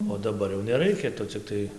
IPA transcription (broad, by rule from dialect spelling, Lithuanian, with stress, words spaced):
oː dɐˈbɐr jɛʊ nʲɛˈrɐɪkʲɛ ˈtʊ t͡sʲɪkˈtɐɪ